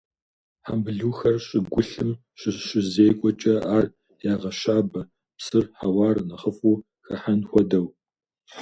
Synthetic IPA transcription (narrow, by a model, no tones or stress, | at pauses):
ħambɨɮuːxɐrɕʼɪɡʷʊɬɨm | ɕʼɪɕɪzeːkʷʼɔt͡ʃʼɐaːr | jaːʁɐɕaːbɐ | psɨrħawɑːrnɐχəfʼuː | xɐħanxʷɔdɐw